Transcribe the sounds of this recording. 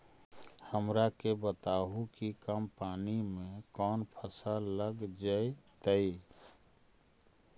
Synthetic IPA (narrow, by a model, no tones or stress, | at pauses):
həmɾakebət̪aɦukikəmpaːnimẽkɔnpʰəsaləɡd͡ʒəet̪əi